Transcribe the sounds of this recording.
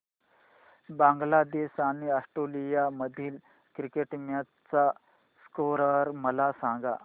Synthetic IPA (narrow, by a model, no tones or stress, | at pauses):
bãŋɡlad̪esañiəsʈolijaməd̪ʱiːl | kɾikeʈmja | t͡sa | skoɾəɾməlasãŋɡa̰